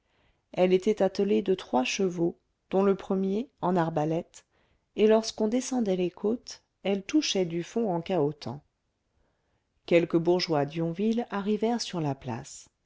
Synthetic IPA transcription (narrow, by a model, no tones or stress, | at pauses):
ɛlet̪ɛt̪at̪əled̪ət̪χwaʃəvo | d̪̥ɔ̃ləpχəmjeɑ̃naʁbalɛt̪ | elɔʁskɔ̃d̪esɑ̃d̪ɛlekʰot̪ | ɛlt̪uʃɛd̪yfɔ̃ɑ̃kaot̪ɑ̰̃ | kʲɛlkəbuʁʒwad̪jɔ̃vilaʁivɛʁsyʁlapla̰s